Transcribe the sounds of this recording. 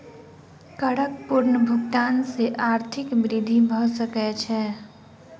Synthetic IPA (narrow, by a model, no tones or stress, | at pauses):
kəɽək̚pʊɾnəbʱʊkt̪aːnseʔaːɾt̪ʰɪkbɾɪd̪ʱibʱəsəkɛt͡ʃʰɛː